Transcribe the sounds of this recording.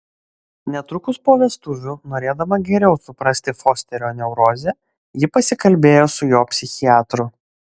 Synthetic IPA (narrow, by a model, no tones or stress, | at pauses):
nʲɛt̪ɾʊkʊspoːʋʲɛst̪ʊʋʲunoːɾʲeːd̪ɐmɐɡʲɛɾʲɛʊsʊpɾɐsʲt̪ʲɪfoːsʲt̪ʲɛɾʲoːnʲɛʊɾoːzʲɛ | jɪpɐsʲɪkɐlʲbʲeːjoːsʊjoːpʲsʲɪxʲiɑːt̪ɾʊ